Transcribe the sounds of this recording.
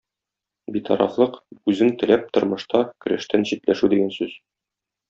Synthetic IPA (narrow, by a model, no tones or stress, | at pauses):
bit̪ɒ̰ɾɑ̰flˠɤqʉzɘŋt̪ɘ̆læp̚t̪ŏɾmɤ̆ʃt̪ɑkɵ̆ɾæʃt̪ænɕit̪læʃʉd̪iɡænsʉz